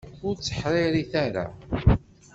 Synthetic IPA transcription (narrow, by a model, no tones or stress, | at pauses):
ʊɾt͡sːə̥ħɾˤɪɾiθæɾa̰